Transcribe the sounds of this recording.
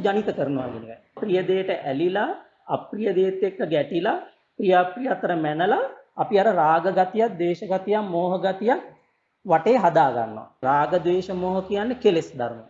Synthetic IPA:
d͡ʒanit̪əkəɾənəʋaɡeneʋɛ̰ | pɾijəd̪eːʈəʔælilaː | pɾijəd̪eːt̪ːekːəɡɛʈila | pɾijapɾijat̪ːəɾəmænəlaːpiaɾəɾaːɡəɡat̪ijat̪̚d̪eːʃəɡat̪ijammoːɦəɡat̪ijak̚ | ʋaʈeːɦad̪aːɡa̰nːo̰a̰ɾaːɡəd̪ʋeːʃəmoːɦəkijanːəkelesd̪a̰ɾumo

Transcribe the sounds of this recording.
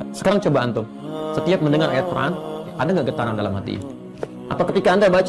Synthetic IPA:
sə̥kaɾaŋt͡ʃobant̪ʊm | sət̪iap̚məndəŋaɾʔa̰jat̪̚pəɾa̰nʔadaŋɡaʔɡət̪aɾaŋdalamɦat̪ḭ | ʔa̰t̪awkət̪ikaːndabat͡ʃ

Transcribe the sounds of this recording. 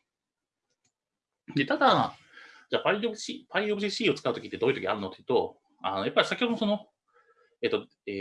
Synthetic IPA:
d̪e̞t̪ad̪a | d͡ʑaːpaiɕipaiobɯɕiɕiːo̞t͡sɨ̥kaɯ̟t̪o̞kʲit̪ːe̞d̪o̞ːjɯ̟t̪o̞kʲiaɾɯ̟no̞t̪ejɯ̟t̪o̞ | ano̞japːaɾʲisakʲihoosono̞ | e̞ːt̪ːo | e

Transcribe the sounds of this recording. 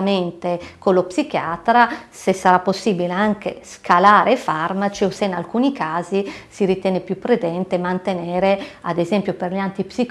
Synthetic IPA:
ment̪ekolopsik̟jaːt̪ɾasesːaɾapːosːiːbileaŋkḛskʰalaːɾʔefarmat͡ʃioseinalkuːnikaːzisiɾit̪jɛːnepjupːɾed̪ɛnt̪emant̪enɛːɾea̰d̪ezɛmpjoperʎant̪ipsik

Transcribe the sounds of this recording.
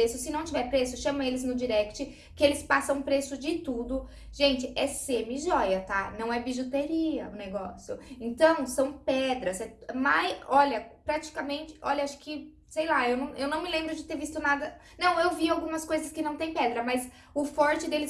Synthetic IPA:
esʊsɪnɐ̃w̃t͡ʃivɛɾpɾesʊʃɐ̃mɐelɪznʊd͡ʒiɾɛkt͡ʃɪ | kɪelɪspasɐ̃w̃pɾesʊd͡ʒɪt̪ud̪ʊ | ʒ̥ẽnt͡ʃɪʔɛsemɪʒɔjɐt̪anɐ̃w̃ɛbiʒot̪eɾiɐʊneɡɔsjʊ̰ẽnt̪ɐ̃w̃sɐ̃w̃pɛd̪ɾɐsɛmajɔʎɐpɾat͡ʃi̥kɐmẽnt͡ʃɪ̥ʔɔ̰ʎɐaʃʊ̥kɪ | sejlaewnɐ̃w̃ʔewnɐ̃w̃mɪlẽmbɾʊd͡ʒɪt̪eɾvist̪ʊnad̪ɐ | nɐ̃w̃ewviawɡũmɐskojzɐskɪnɐ̃w̃t̪ẽj̃pɛd̪ɾɐmɐz | ʊfɔɾt͡ʃɪd̪elɪ

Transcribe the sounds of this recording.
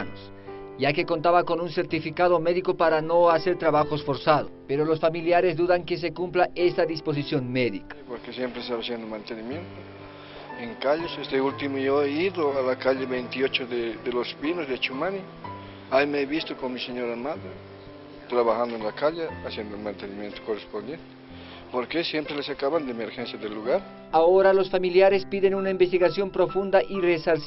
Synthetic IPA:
nos | ʝake̞ko̞nt̪aβako̞nunseɾt̪ifikaðomeðikopaɾano̞aseɾt̪ɾaβaxoesfo̞ɾsaðopeɾolosfamiljaɾezðuðaŋkes̬e̞kumplaest̪aðispo̞s̬isjonmeðikḁpoɾkesjempɾesaβasjend̪omãnt̪enimjent̪o | eŋkaʎesest̪eult̪imoʝoeiðoalakaʎeβejnt̪iot͡ʃoðed̪elozbinozðet͡ʃumani | aimeeβist̪okonmiseɲoɾamaðe | t̪ɾaβaxand̪oenlakaʎeasjend̪ounmãnt̪enimjent̪o̥korespond̪jent̪e̥ | poɾkesjempɾelesakaβand̪emeɾxensjaðelːuɣaɾ | aoɾalosfamiljaɾespiðenunaimbest̪iɣasjo̞mpɾofund̪aʔiresals

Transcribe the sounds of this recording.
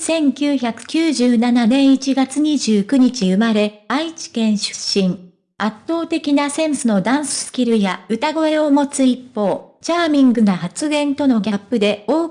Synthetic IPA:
sẽ̞ŋkʲɨːçakɯ̟̥kʲɨːʑɨːnananẽ̞ɰ̃it͡ɕiɡat͡sɨɲ̟iʑɨːkɯ̟ɲ̟it͡ɕiɯ̟maɾe̞ait͡ɕi̥kẽ̞ɰ̃ɕɨ̥ɕːĩŋ | at̪ːo̞ːt̪e̞kʲinasẽ̞ɰ̃sɨno̞d̪ãɰ̃sɨ̥sɨ̥kʲiɾɯ̟jaɯ̟t̪aɡo̞e̞o̞mo̞t͡sɨipːo̞ːt͡ɕaːmʲĩŋɡɯ̟nohat͡sɨɡẽ̞nt̪o̞no̞ɡʲapːɯ̟d̪e̞o̞ː

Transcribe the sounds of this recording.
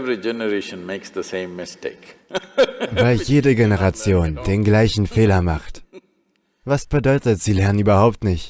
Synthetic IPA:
vɾid͡ʒɛnəɾeːʃə̃nmeːksd̪əsẽːmːɪsteːk | vaɪljeːdəɡenəʁ̞at͡sjoːnd̥eːnɡlaɪçn̩feːlɐmaχt | vasb̥ədɔʏtətz̥iːlɛɐənyːbɐhaʊp̚tnɪçt

